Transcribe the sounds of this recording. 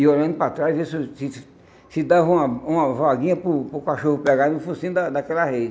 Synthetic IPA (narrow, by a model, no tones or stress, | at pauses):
iolɐ̃nd̪ʊpɾat̪ɾajzisusis | sɪd̪aũmɐũmɐvaɡĩɲɐpʊpɾʊkaʃohʊpɛɡanʊfusĩʊd̪ad̪akɛlahed͡ʒɪ